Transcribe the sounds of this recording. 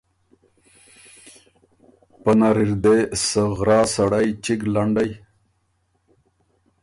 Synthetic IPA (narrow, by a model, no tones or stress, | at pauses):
pənaɾiɾd̪esəɣɾɑːsaɽajt͡ʃiɡlaɳɖaj